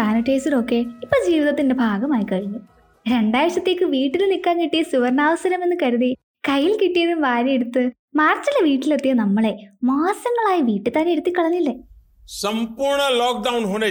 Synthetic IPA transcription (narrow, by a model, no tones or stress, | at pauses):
aːnɐʈːeːsiɾo̞kːe̞ipːoːd͡ʑiːʋiðɐt̪ːinde̞bʱaːɡɐmaːjikɐɻunːu | ɾe̞ɳɖaːjɐʂɐt̪ːe̞ːkːɨʋiːʈːilnikːaːnkiʈːijɐsuʋɐɾnaːʋɐsɐɾɐme̞nːɨkɐɾuði | kɐjːilkiʈːijɐðumʋaːɾijeɽut̪ːɨ | maːrt͡ɕːilːɐʋiːʈːilet̪ːijɐnɐmːɐɭe̞maːsɐŋːɐɭaːjɐʋiːʈːɨt̪aːneeɽut̪ːikːɐɭɐɲːilːɐ | sɐmpuːɾɳɐloːk̚ɖɐwnɦoɖe